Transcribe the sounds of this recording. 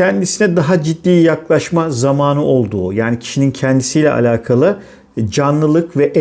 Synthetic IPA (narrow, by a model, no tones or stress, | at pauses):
ɛnd̪isinɛd̪aɦad͡ʒid̪ːiːjaklˠaʃmazamaːnɯʔo̞lˠd̪uːjaːnicʰi̥ʃinincʰɛnd̪isijlʲɛ̰ʔa̰lʲaːkʰalˠɯ | d͡ʒanlˠɯlˠɯkvɛʔ